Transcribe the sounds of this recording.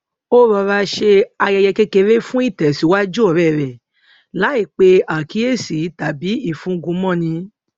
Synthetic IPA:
o˦ɾɔ˧ɾa˧ʃe˧a˧jɛ˧jɛ˧ke˦ke˧ɾe˦fũ˦i˦˨tɛ˨si˨˦wa˦d͡ʒu˦ɔ˨ɾɛ˦˨ɾɛ˨ | la˨˦i˦˨k͡pe˧a˨ki˦e˦˨si˨˦ta˨bi˨˦i˦˨fũ˨˦ɡũ˧˦mɔ̃˦˨nĩ˧˦

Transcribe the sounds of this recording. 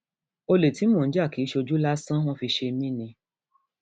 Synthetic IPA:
o˧le˨ti˨˦mõ˦˨n̩˦d͡ʒa˦˨ki˨˦ʃo˧d͡ʒu˦la˦sã˦w̃ɔ̃˦fi˧ʃe˧mĩ˦nĩ˧

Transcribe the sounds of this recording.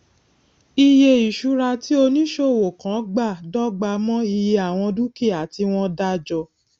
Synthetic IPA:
i˧je˧i˨ʃu˧˦ɾa˧ti˦o˧nĩ˦ʃo˦˨wo˨kã˨˦ɡ͡ba˦˨dɔ˦ɡ͡ba˧mɔ̃˦i˧je˧a˨w̃ɔ̃˧du˦ki˦˨a˨ti˧w̃ɔ̃˦da˦d͡ʒɔ˧

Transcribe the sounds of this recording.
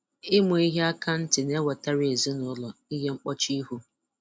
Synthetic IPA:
ɪ˦mʊ˨i˦ɦe˦a˦ka˦n̩˦tɪ˨ne˦wɔ˨ta˦ɾe˨e˨zi˦nʊ˦lɔ˨i˦ɦe˦ŋ͡m̩˦k͡pɔ˦t͡ʃi˦ɦu˦

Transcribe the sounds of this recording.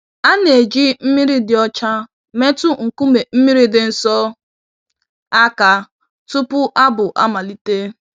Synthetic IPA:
a˦ne˨d͡ʒi˦m̩˦mi˦ɾi˦dɪ˨ɔ˦t͡ʃa˦ | me˦tʊ˦ŋ̩˨ku˦me˨m̩˦mi˦ɾi˦dɪ˨n̩˦sɔ˦ | a˦ka˨ | tu˦pʊ˦ʔa˦bʊ˨ʔa̰˦ma˨li˦te˦

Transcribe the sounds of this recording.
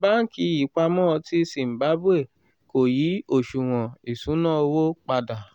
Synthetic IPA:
ba˦n̩˦ki˧˦ji˨˦k͡pa˧mɔ̃˦˧ti˦si˨m̩˨ba˨˦bu˦e˦˨ | ko˨ji˨˦o˦˨ʃu˨w̃ɔ̃˨i˨sũ˨˦nãː˦˨˧wo˦k͡pa˧da˨

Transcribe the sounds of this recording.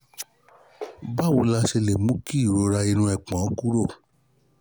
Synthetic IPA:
ba˦˨wu˧la˧ʃe˧le˨mũ˦ki˦i˦˨ɾo˧˦ɾa˧i˧nũ˧ɛ˨k͡pã˨˦ku˦ɾo˦˨

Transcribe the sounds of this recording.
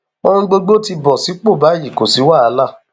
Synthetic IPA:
o˧hũ˧ɡ͡bo˧ɡ͡bo˦ti˧bɔ˨si˨˦k͡po˦˨ba˨˦ji˦˨ko˨si˨˦wa˦˨a˧la˦˨

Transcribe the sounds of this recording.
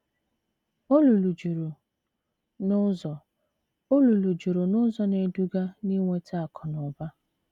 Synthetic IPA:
o˦lu˨lu˨d͡ʒu˨ɾu˨ | nʊ˦zɔ˨ | o˦lu˨lu˨d͡ʒu˨ɾu˨nʊ˦zɔ˨ne˨du˦ɡa˦ni˦ŋʷe˦tʰa˦a˨kʰɔ˨nʊ˨ba˦

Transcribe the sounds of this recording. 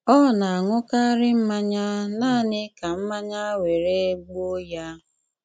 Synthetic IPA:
ɔ˦˨na˨a˨ŋʷʊ˦ka˦ɾɪ˦m̩˦ma˦ɲa˦naː˦˨nɪ˦ka˨m̩˦ma˦ɲa˦we˨ɾe˦ɡ͡bo˦ja˦

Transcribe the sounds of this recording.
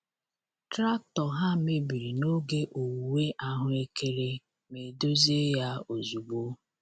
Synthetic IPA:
tɾa˦tɔ˨ɦa˦me˦bi˨ɾi˨no˦ɡe˦ʔo˨wu˨we˦ʔa˦ɦʊ˦e˦kʰe˦ɾe˦ | me˨do˦ze˦ja˦o˨zu˨ɡ͡bo˦

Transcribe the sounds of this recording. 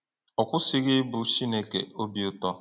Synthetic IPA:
ɔ˨kʷʊ˦sɪ˦ɣɪ˦bʊ˨ʃi˦ne˦kḛ˨o˦bi˦ʊ˦tɔ˦

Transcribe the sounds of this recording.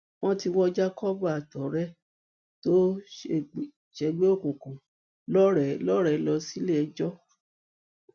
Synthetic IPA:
w̃ɔ̃˦ti˧wɔ˦d͡ʒa˦kɔ˦bu˦a˨tɔ˨˦ɾɛ˦ | to˦ | ʃɛ˧ɡ͡be˦o˦˨kũ˨kũ˨ | lɔ˦ɾɛ˨lɔ˦ɾɛ˨˦lɔ˧si˦le˦ɛ˧d͡ʒɔ˦

